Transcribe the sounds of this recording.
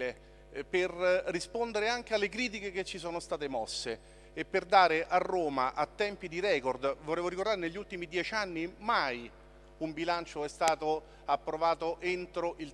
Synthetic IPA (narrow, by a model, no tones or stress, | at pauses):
e | perːispond̪eɾeaŋk̟ealːekɾiːt̪̬ikeket͡ʃːisoːnost̪aːt̪emɔsːeː | pːerd̪aːɾeʔarːoːmaʔat̪ːɛmpid̪iɾɛːkord̪voɾɛːvoɾikoɾd̪aɾeneʎːult̪imid̪jɛt͡ʃanːimaj | umbilant͡ʃoɛst̪aːt̪o | apːɾovaːt̪oʔent̪ɾoʔil